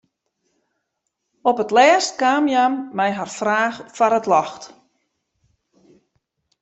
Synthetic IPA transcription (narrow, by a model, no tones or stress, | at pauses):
ɔpətlɛːst̚kaːmjamːɛjɦarfraːxfaɾətlɔxt